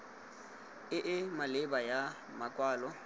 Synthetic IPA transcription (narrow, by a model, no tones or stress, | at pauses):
ɪʔɪmalɪbaja | makʼwaːlɔ